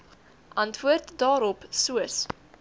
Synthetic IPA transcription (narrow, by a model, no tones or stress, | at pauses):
ʔɐntvuərtdɑːɾɔpsuəs